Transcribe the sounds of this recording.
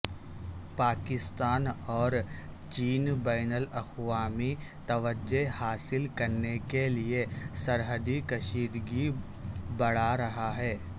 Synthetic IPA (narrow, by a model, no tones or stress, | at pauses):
paːkɪst̪aːnɔːɾt͡ʃiːnbaːnəlɐxʋaːmit̪ɐʋəd͡ʒehaːsɪlkɐɾnekeliesɐɾɦəd̪ikɐʃiːd̪ɡi | bɐɽ̤aɾɐɦaɦɛː